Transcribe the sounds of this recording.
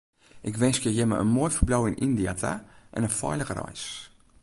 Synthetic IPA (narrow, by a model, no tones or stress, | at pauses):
ʔɪkʋɛnskjəjɛmə̰ʔə̰nmoːjfərblɔwɪnindiatʰa̰ʔɛ̰nənfɔ̰jləxrɔ̰js